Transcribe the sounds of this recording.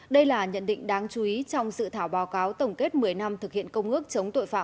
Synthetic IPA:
ɗə˧jlaː˨˩ɲə̰˧˨nɗḭ̈˧˨ŋ̟ɗaː˨˦ŋt͡ɕu˨˦ʔi˨˦t͡ɕɔ˧wŋ͡msɨ̰˧˨t̪ʰaː˧˩wɓaː˨˦wkaː˨˦wt̪ə˨˩wŋ͡mke˦˥t̚mɨ˨˩əjna˧mt̪ʰɨ˨˩k̚hḭ˧˨ənkə˧wŋ͡mʔɨ˦˥ək̚t͡ɕə˨˦wŋ͡mt̪o̰˧˨jfa̰ː˧˨

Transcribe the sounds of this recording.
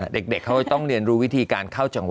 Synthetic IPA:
a˧˩de˨˩k̚de˨˩kʰa˦˥wkːa˧˩t̪ɔ˥˩ŋɾi˧ənɾuː˦˥wi˦˥t̪ʰiː˧kaː˧nkʰa˥˩wt͡ɕa˧˩ŋw

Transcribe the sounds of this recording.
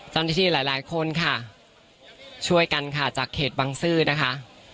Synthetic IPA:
t͡ɕa˥˩niː˧˩iː˧˩laː˩˦jlaː˨˩˦jkʰo˧nkʰa˥˩ | t͡ɕʰu˥˩əjka˧nkʰa˥˩t͡ɕaː˨˩kʰːeː˨˩t̪̚baː˧ŋsɯː˥˩na˦˥kʰa˦˥ʔ

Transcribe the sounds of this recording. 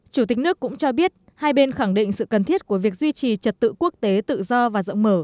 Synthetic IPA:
t͡ɕu˧˩t̪i̟˨˩nɨ˦˥əkːʊ̰˧˥ŋ͡mt͡ɕɔ˧ɓi˦˥ət̚ | haː˧jɓe˧nxa˧˩ŋɗḭ˧˨ŋ̟sɨ̰˧˨kə˨˩nt̪ʰi˦˥ət̚ku˧˩əvi˨˩ək̚zwi˧t͡ɕi˨˩t͡ɕə˨˩t̚t̪ɨ̰˧˨ku˦˥ək̚t̪e˨˦t̪ɨ̰˧˨zɔ˧vaː˨˩zə̰˧˨wŋ͡mməː˧˩

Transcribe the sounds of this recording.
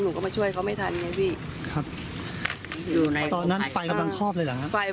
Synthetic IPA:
nuː˨˩kɔː˥˩ma˧t͡ɕʰu˥˩əjkʰa˦˥wma˥˩jt̪ʰa˧nːa˦˥pʰiː˥˩ | kʰɾa˦˥p̚ | juː˨˥˩t̪ɔː˧nːa˦˥nfa˧jka˧mla˧ŋkʰɔː˥˩p̚lɤː˧jla˨˩ha˦˥ʔfa˧

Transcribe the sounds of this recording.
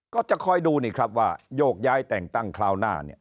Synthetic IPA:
kɔː˥˩t͡ɕa˨˩kʰɔ˧jduː˧niː˥˩kʰɾa˦˥p̚waː˥˩joː˥˩k̚jaː˦˥jt̪ɛː˨˩ŋt̪a˥˩ŋkʰlaː˧wnaː˥˩nḭ˥˩ɐ

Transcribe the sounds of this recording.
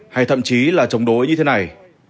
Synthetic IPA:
ha˧˩jt̪ʰə̰˧˨mt͡ɕi˨˦laː˨˩t͡ɕə˨˦wŋ͡mɗo˨˦jɲɨ˧t̪ʰe˨˦na˨˩j

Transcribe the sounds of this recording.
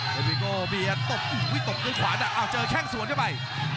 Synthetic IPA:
e˨˧˩mi˧˩koː˧ɓi˧ə˨˩t̪o˨˩p̚ʔi˨˩kwi˦˥t̪o˨˩p̚kɨː˧˦kʰwaː˨˦na˧˩ʔaː˧˩t͡ɕəː˧kʰɛː˧˥˩ŋsu˨˦ənaː˧˥˩ɓa˧˩j

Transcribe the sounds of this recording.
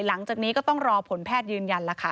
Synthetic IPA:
la˩˦ŋt͡ɕaː˨˩k̚niː˦˥kɔː˥t̪ɔ˥˩ŋɾɔː˧pʰo˨˩˦npʰɛː˥˩t̪̚jɯː˧nja˧nla˦˩kʰa˦˥˩

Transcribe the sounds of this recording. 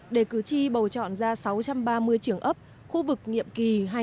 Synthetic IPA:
ɗe˧˩kɨ˨˩t͡ɕi˧ɓə˨˩wt͡ɕɔ̰˧˨nzaː˧sa˨˦wt͡ɕa˧mɓaː˧mɨ˧əjt͡ɕɨ˧˩əŋʔə˦˥p̚ | xu˧vɨ˨˩k̚ŋḭ˧˨əmki˨˩ɦa˧

